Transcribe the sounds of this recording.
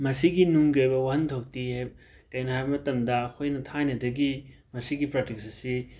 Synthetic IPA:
mɐsiɡinuŋɡɐjbɐwaɦɐntʰok̚tiha | kɐjnɐɦajbɐmɐtɐmdɐːkʰojnɐtʰajnɐdɐɡi | mɐsiɡipɾotik̚sɐsi

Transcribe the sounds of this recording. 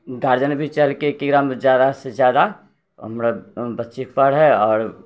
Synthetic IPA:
ɡaːɾd͡ʒənbʱit͡ʃəlkekiɡɾamd͡ʒjaːd̪ased͡ʒjaːd̪a | ə̰mɾabətːʃipəɽɦɛɔːɾ

